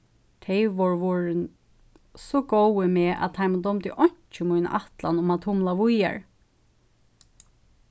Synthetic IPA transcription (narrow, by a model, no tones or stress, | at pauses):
t̪ʰɛɪʋɔɹʋɔɹɪn | sɔɡɔwɪmeːʔæ̰d̪t̪ʰaɪmad̪ɔmt̪ɪʔɔɲ̥t͡ʃɪmujna̰ʔaht̪lanʊmat̪ʰʊmlaʋʊja̰ɹ